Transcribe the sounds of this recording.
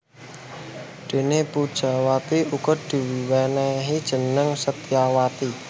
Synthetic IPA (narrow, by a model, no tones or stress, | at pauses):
d̪̥e̤nepud̥ʒ̥a̤wat̪iukʊd̪̥i̤wiwɛnɛɦid̥ʒ̥ə̤nəŋsət̪iawat̪i